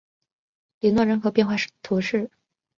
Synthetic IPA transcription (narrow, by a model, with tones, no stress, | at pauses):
li˧˥nwɔ˥˩ɻə˧˥nxɤ˧˥pjɛ˥˧nxwa˥˧˩ʂt̪ʰu˧˥ʂɻ̩˥˩